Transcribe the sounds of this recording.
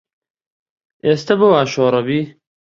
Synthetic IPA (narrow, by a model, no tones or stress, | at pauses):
eːst̪ɐboaːʃoːɾˤɐbiː